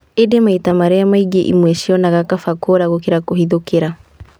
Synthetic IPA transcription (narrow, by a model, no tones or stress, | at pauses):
edemaitamaɾɛjamaiɡeʔḭmwɛʃiɔnaɣakafakoɾaɣokiɾakohiðokeɾa